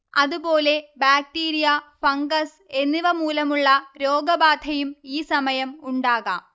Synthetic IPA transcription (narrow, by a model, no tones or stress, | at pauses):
ɐðubo̞ːle̞baːk̚ʈiːɾijɐfɐŋɡɐs | e̞nːiʋɐmuːlɐmuɭːɐɾo̞ːɡɐbaːd̪ʱɐjumiːsɐmɐjɐmuɳɖaːɣa̰ːm